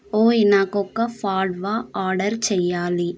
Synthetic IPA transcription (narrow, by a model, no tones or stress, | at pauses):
oːinaːkɔkːɐpʰaːɾɖʋaːaːɾɖɐɾt͡ʃɛjːaːli